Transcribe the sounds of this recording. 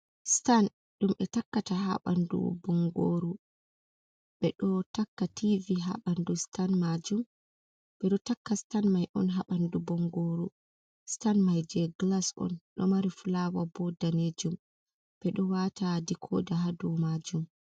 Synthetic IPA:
stan | ɗumʔɛtakːataɦa̰ɓa̰ndṵbɔŋɡo̰ːɾu | ɓɛɗɔtakːatʰiviɦa̰ɓandustanmad͡ʒum | ɓɛɗɔtakːastanmajʔɔnɦaɓandubɔŋɡoɾu | stanmajd͡ʒɛɡlasɔ̰nɗɔ̰maɾifulawabɔdaned͡ʒum | b̥ɛɗɔwatadikʰɔ̰ːdaɦadumad͡ʒum

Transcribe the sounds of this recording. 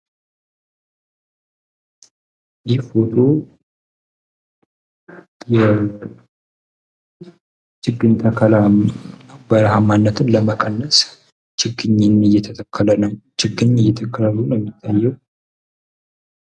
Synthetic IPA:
jibot̪ʰo | jɛ | t͡ʃɨɡːɨnt̪ʼʰəkʰəla | bəɾɦamːanːət̪ʰɨnləməkʼənːəs | t͡ʃɪɡɨɲːɪnɨjɛt̪ʰət̪ʰəkʰːələnəwt͡ʃɪɡɨɲɨjːɛt̪ʰəkʰːələlunɛmːit̪ʰːajːɛw

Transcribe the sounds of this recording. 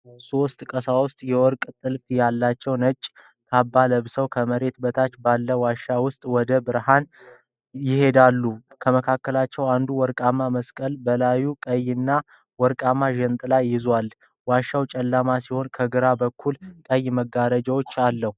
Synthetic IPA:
sost̪ʼkʼəsawʊst̪ʼjɛwɔɾkʼt̪ʼɨlfjalːat͡ʃːɛwnət͡ʃʼ | kʰabːaləβsəwkʰəməɾe̞t̪bət̪ʰat͡ʃːbalːəwaʃːawʊst̪ʼwɔd̪əbɨɾhan | jɪhe̞d̪alːukʰəməkʰakːəlat͡ʃːɛwand̪uwɔɾkʼamːaməskʼəlbəlajukʼəjɨnːa | wɔɾkʼamːaʒɛnt̪ʼlajːɪzwal | waʃːawt͡ʃʼəlːamasiho̞nkʰəɡɨɾabəkʰːulkʼəjːməɡaɾəd͡ʒawot͡ʃːalːəhu

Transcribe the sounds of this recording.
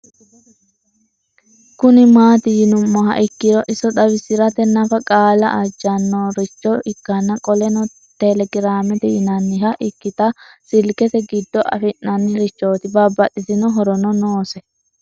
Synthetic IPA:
kʊnɪmaːt̪ɪjɪnʊmːɔɦɐ̰ʔɪkːɪɾɔʔɪsɔd̪ɐβɪsɪɾɐt̪ɛnɐfɐkʼaːlɐ̰ʔɐd͡ʒːɐnːoːɾɪt͡ʃːɔʔɪkːɐnːɐkʼɔlɛnɔ | t̪ɛlɛɡɪɾaːmɛt̪ɛɪnɐnːɪɦɐʔɪkːɪt̪ɐsɪlkɛt̪ɛɡɪd̪ːɔʔɐ̰fɪnːɐnːɪɾɪt͡ʃːo̞ːt̪ɪbɐbːɐt̪ʼːɪsɪnɔɦɔɾɔnɔnoːsɛ

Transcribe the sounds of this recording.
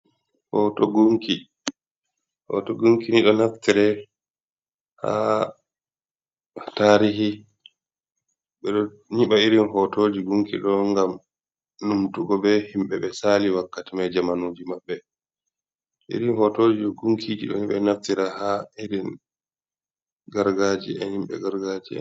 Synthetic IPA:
hɔtɔɡuŋki | hɔ̰tɔɡuŋkiniɗɔnaftiɾɛ | ha̰ | taːɾiɦi | ɓɛɗɔ | ɲiɓaiɾinɦɔtoːd͡ʒiɡuŋkḭɗɔŋɡam | numtuɡɔbɛhimɓɛɓɛsaliwakːatimajd͡ʒamanoːd͡ʒimaɓːɛ | ʔḭɾinhɔtoːd͡ʒiɗɔɡuŋkʰid͡ʒiɗɔɲiɓɛ̰naftiɾahaiɾin | ɡaɾɡad͡ʒḭɛ̰nhimɓɛ̰ɡaɾɡad͡ʒiɛ̰

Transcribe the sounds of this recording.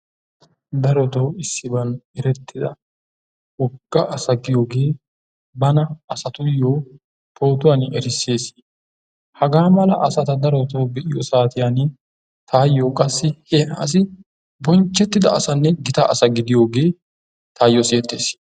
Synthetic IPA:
d̪ɐɾɔt̪oːɪsːɪbɐnɛɾɛt̪ːɪd̪ɐ | wɔɡːɐʔɐsɐɡɪjo̞ːɡe̞ː | bɐnɐɐsɐt̪ʊjoː | pʰo̞ːt̪ʊwaːnɛɾɪsːe̞ːs | hɐɡaːmɐlɐʔɐsɐt̪ɐd̪ɐɾɔt̪o̞ːbɛʔɪjɔsaːt̪ɪjaːn | t̪ʰaːjːoːkʼɐsːɪhɛs̬ɪ | bɔnt͡ʃːɛt̪ːɪd̪ɐɐsɐnːɛɡɪt̪aɐsɐɡɪd̪ɪjo̞ːɡe̞ː | t̪ʰaːjɔseːt̪ːe̞̰ːs

